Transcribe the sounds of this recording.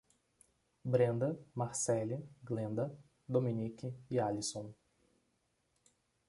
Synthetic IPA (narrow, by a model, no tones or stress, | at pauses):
bɾẽnd̪ɐmaɾsɛliɡlẽnd̪ɐ | d̪omĩnikɪːalisõw̃